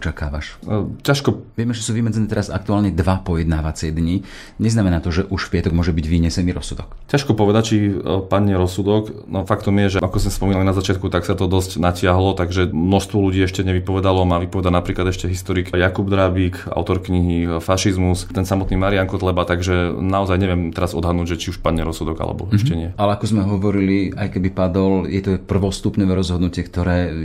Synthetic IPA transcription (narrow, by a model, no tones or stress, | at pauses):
ɔt͡ʃakaːʋa̰ʃcaʃkɔʋɪɛmɛʒɛsuːʋimɛd͡zɛnɛːt̪ɛɾaza̰k̚t̪uaːlɲɛd̪ʋapɔjɛd̪naːʋat͡sɪɛd̪ɲi | ɲɛznamɛnaːt̪ɔʒɛʔuʃfpɪat̪ɔɡmʊɔʒɛbiɟʋiɲɛsɛniːɾɔsud̪ɔkcaʃkɔpɔʋɛd̪ac̚t͡ʃipaɲɛɾɔsud̪ɔknɔfakt̪ɔmjɛʒɛʔakɔzmɛspɔminalinazat͡ʃɪat̪kut̪aksat̪ɔd̪ɔscnacɪaɦlɔt̪aɡʒɛmnɔʃst̪ʋɔluɟiːɛʃcɛɲɛʋipɔʋɛd̪alɔmaʋipɔʋɛd̪anapɾiːklad̪ɛʃcɛɦist̪ɔɾikjakubd̪ɾabika̰ʊt̪ɔɾkɲiɦifaʃizmust̪ɛnsamɔt̪nimaɾiaŋkɔt̪lɛbat̪aɡʒɛnaɔzajɲɛʋɪɛmt̪ɛɾazɔd̪ɦad̪nuːɟʒɛt͡ʃiuʃpaɲːɛɾɔsud̪ɔɡa̰lɛ̰bɔ̰ɛʃcɛɲɪɛʔalɛakɔzmɛɦɔʋɔɾilia̰jkɛbipad̪ɔljɛt̪ɔpr̩ʋɔst̪upɲɔʋɛːɾɔzɦɔd̪nucɪɛkt̪ɔɾɛː